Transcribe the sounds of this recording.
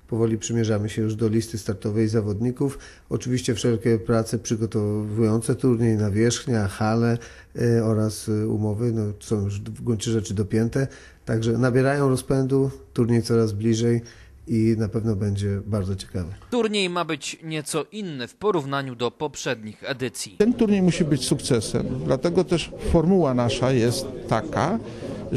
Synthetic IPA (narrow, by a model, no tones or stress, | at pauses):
pɔvɔlʲipʂɘmʲjɛʐamɘɕɛjuʐd̪ɔlʲist̪ɘst̪aɾt̪ɔvɛjzavɔd̪ɲikuf | ɔt͡ʂɘvʲiɕt͡ɕɛfʂɛlkʲɛpɾat̪sɛpʂɘɡɔt̪ɔvujɔnt̪sɛt̪uɾɲejnavʲjɛʂxɲaxalɛ | ɔɾasṵmɔvɘnɔsɔ̃w̃juʐɡuɲt͡ɕɛʐɛt͡ʂɘd̪ɔpʲjɛnt̪ɛ | t̪aɡʐɛnabʲjɛɾajɔ̃w̃ɾɔspɛnd̪ut̪uɾɲejt̪sɔɾazblʲiʐɛj | inapɛvnɔbɛɲd͡ʑɛbaɾd̪zɔt͡ɕɛ̥kavɛt̪uɾɲejmabɘt͡ɕɲɛt̪sɔʔinːɛfpɔɾuvnaɲud̪ɔpɔpʂɛd̪ɲixɛd̪ɘt̪sʲjit̪ɛnt̪uɾɲejmuɕibɘt͡ɕsukt̪sɛsɛ̰md̪lat̪ɛɡɔt̪ɛʂfɔɾmuwanaʂajɛst̪ːaka